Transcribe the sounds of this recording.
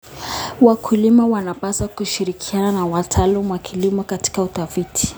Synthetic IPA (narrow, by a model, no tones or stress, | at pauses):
wakʰulimawanapasakuʃiɾikʰiananawatʰalumuwakʰilimɔkati̥kauθafitʰi̥